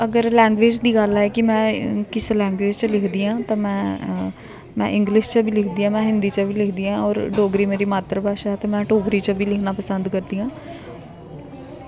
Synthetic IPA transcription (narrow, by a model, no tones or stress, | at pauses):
əɡəɾlɛ̃ːŋɡʋeːd͡ʒd̪iːɡəlɛːkɪmɛ̃ːkɪslɛ̃ːŋɡʋeːd͡ʒt͡ʃəlɪkʰd̪iːãːt̪ãːmɛ̃ː | mɛ̰̃ːʔɪ̃ŋɡlɪʃt͡ʃəbʱiːlɪkʰd̪iːãːmɛ̃ːɦɪnd̪iːt͡ʃəbʱiːlɪkʰd̪iːãːɔːɾɖoːɡɾiːmeːɾiːmaːt̪ɾəbaːʃaːɛːt̪aːmɛ̃ːʈoːbɾiːt͡ʃəbʱiːlɪkʰnaːpəsənd̪kəɾd̪iːãː